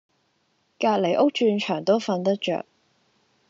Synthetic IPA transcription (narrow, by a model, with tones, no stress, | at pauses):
kaː˧t̚le˨˩jʔʊ˥k̚t͡ʃyː˧nt͡ʃʰœː˨˩ŋt̪o˥wfɐ˧nt̪ɐ˥k̚t͡ʃœ̰ː˨k̚